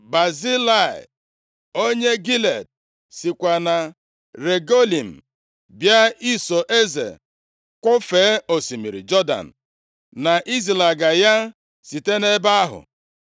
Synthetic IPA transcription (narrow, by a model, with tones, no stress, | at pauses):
ba˨zi˦la˨ɪ̰˨ | o˦ɲe˦ɡi˦le˨d̚ | si˨kʷa˨na˨ | ɾe˨ɡo˦li˨m̩˨ | bja˦i˦so˨ʔe˦zḛ˨ | kʷʊ˦feː˨˦o˨si˨mḭ˨ɾḭ˨d͡ʒɔ˦da̰˨n̩˨ | na˨ʔi˦zi˨la˨ɡa˨ja˦ | si˨te˦ne˦ba˦a˦ɦʊ̰˨